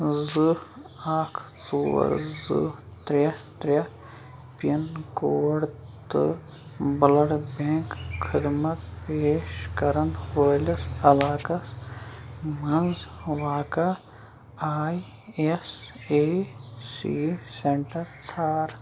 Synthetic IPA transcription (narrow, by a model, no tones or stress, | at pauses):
zɨaːkʰt͡so̰ːɾzɨ̰t̪ɾɐt̪ɾʲɐ | pɐnkoːɽt̪ɨ̰ | bɐlɐɽbẽːŋkxʰid̪mɐt̪peːʃkɐɾɐnʋɐːlɐsɐlaːkɐs | mɐnzʋaːka | aːi | eseːsḭseɳʈɐɾt͡sʰaːɾ